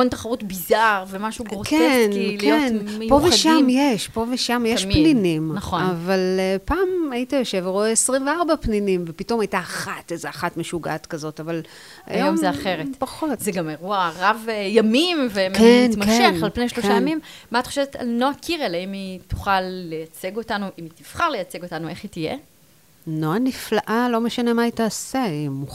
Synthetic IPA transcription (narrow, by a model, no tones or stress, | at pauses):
ont̪aχaʁutbizaʁvemaʃuɡʁokenlkenpo̞veʃamjeʃpo̞veʃamjeʃpninimnɐχoavalepaːmajitajo̞ʃe̞vʁoeesʁimveaʁbapninimvepito̞majtaːχatezeaχatmeʃuɡaatkazo̞taval | a̰jjomzeaχeʁetpaχo̞tzeɡameʁuaʁavejamimvemkenmakʃeχalpnejʃloʃajamimmaat̪χoʃeveta̰lnoakʰiʁeleimitu̥χalːejat͡se̞ɡo̞tanuʔimitiv̥χaʁle̞jat͡seɡo̞tanue̞χitijḛ | noaniflaʔalo̞meʃane̞maitaːseimu